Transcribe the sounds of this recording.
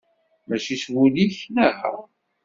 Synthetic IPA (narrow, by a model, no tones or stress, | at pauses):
mæʃiswuliçnəhə̰